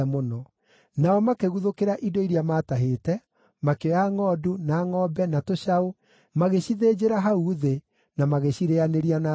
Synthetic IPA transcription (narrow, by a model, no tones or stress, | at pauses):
monɔ | naɔmakeɣuðokeɾaʔidoiɾiamaːtaɦetɛ | makeɔjaŋɔdunaːŋɔbɛnatoɕao | maɣeɕiðed͡ʒeɾaɦauðe | namaɣeɕiɾeaneɾiana